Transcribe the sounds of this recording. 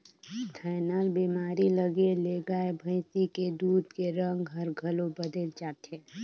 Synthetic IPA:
d̪ʰʱənaːlbimaːɾiləɡeleːɡaebʱə̃ɪsiked̪uːd̪keɾə̃ŋɡɦəɾɡʱəlobəd̪elt͡ʃaːʈʰe

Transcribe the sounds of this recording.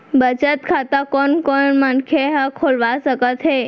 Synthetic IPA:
bət͡ʃət̪kʰat̪ãkɔnkɔɳmankʰeɦãkʰolʋasəkət̪ɦe

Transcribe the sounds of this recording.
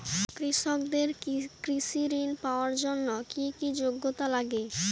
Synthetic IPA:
kɾiʃokd̪eɾkɾiʃiɾinpaoaɾd͡ʑonːokikid͡ʑoɡːot̪alaɡe

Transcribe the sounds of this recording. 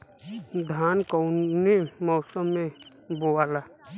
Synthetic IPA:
d̪ʱaːnkoʊnemɔʊsəmːẽ | boaːlaː

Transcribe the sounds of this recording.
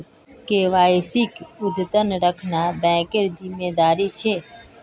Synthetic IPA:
keʋaːɪsɪkʊd̪ʱt̪ənɾəkʰnabɛ̃ːkeɾzɪmːeːd̪aːɾit͡ʃʰeː

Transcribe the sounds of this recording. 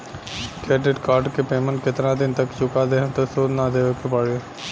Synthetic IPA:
kɛːɖɪʈkaːɾɖkepeːmə̃ɳʈkɪt̪nãd̪ɪnt̪əkt͡ʃʊkad̪eːɦə̃t̪osoːd̪nad̪eːʋekepaːɽe

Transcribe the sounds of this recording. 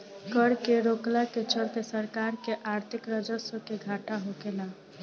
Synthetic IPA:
kəɾkeɾoklaket͡ʃəɾkesəɾkaɾkeʔaɾt̪ʰikɾəd͡ʒəsəkeɡʱaʈnaɦokela

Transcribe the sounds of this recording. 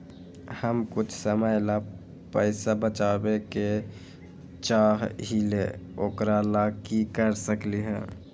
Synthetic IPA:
həmkʊt͡ʃʰsəməjla | pəɪsabət͡ʃaːbeke | t͡ʃaːɦɦileoːkɾalaːkikəɾsəkliɦɛ̰̃ː

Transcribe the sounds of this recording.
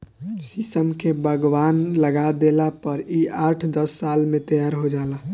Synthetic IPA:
sisəmkebʱəɡwaːnləɡad̪elapəɾiaːʈʰd̪əsːaːlmẽt̪əjaːɾɦod͡ʒaːla

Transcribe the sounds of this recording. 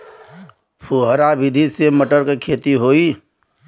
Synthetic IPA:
pʰuɦɾabɪd̪ʱiseməʈəɾkekʰeːt̪iɦoːi

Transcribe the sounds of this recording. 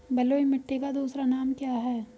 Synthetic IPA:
bɛloimɪʈːikad̪uːsɾanaːmkjaːɦɛː

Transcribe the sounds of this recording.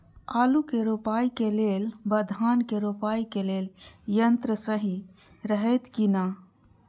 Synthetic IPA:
aːlukeɾopaːjkelelbəd̪ʱankeɾopaːikeleljənt̪ɾəsəɦi | ɾəɦɛt̪kina

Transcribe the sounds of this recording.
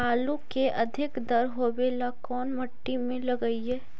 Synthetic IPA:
aːlukeʔɐd̪ʱɪkd̪ɐɾɦobeːlakɔːnmɐʈːimẽlɐɡəiɦɛː

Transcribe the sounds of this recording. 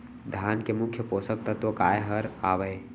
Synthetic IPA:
d̪ʱaːnkemʊkʰːjəpoːsək̚t̪ət̪okaːjeɦəɾaːʋəe

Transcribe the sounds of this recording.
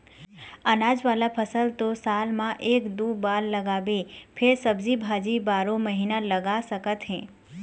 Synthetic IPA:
ənaːd͡ʒʋaːlapʰəsəlt̪osalmãʔeːkd̪uːbaːlːəɡaʋepʰɪɾsəbd͡ʒibʱad͡ʒibaːɾõməɦinaləɡasəkət̪ɦɛ̃ː

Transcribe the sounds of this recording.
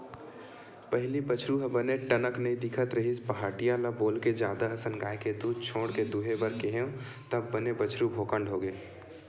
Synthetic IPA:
pəɦɪlibət͡ʃʰɾuɦəbəneʈənəknəĩd̪ɪkʰət̪ɾəɦispəɦaːʈijalaboːlked͡ʒaːd̪aəsənɡaːjked̪ud̪̚t͡ʃʰoːɽked̪uɦebəɾkeɦeõt̪əb̚ːənebət͡ʃʰɾubʱoːkəɳɖɦoɡeː

